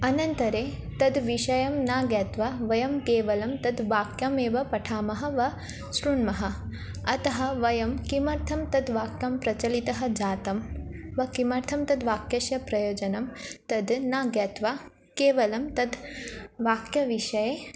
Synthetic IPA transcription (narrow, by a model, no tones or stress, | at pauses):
ɐnɐnt̪ɐɾeːt̪ɐd̪ʋiʃɐjɐmnaːɡjɐːt̪ʋɐʋɐjɐmkeːʋɐlɐmt̪ɐd̪ʋaːkjɐmeːʋɐpɐʈʰaːmɐɦɐ̆ʋɐ | sɾuɳmɐɦɐ̆ | ɐt̪ɐɦɐ̆ʋɐjɐmkimɐɾt̪ʰɐmt̪ɐd̪ʋaːkjɐmpɾɐt͡ʃɐlit̪ɐɦɐ̆d͡ʒaːt̪ɐmʋɐkimɐɾt̪ʰɐmt̪ɐd̪ʋaːkjɐʃjɐpɾɐjoːd͡ʒɐnɐmt̪ɐd̪naːɡjɐt̪ʋa | keːʋɐlɐmt̪ɐd̪ʋaːkjɐʋiʃɐjeː